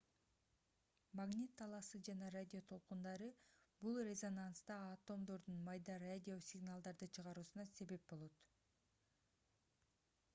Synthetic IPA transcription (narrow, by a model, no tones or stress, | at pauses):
maɡnʲit̪ʰːɑlˠɑsɯd͡ʒɑnɑradʲɪo̞t̪ʰo̞lˠqund̪ɑɾɯbulˠrʲezo̞nant̪st̪ɑːt̪o̞md̪o̞ɾd̪unmɑjd̪ɑɾadʲiosʲɪɡnalˠd̪ɑɾd̪ɯt͡ʃʰɯʁɑɾuːsunɑse̞βe̞p̚bo̞lˠo̞t̪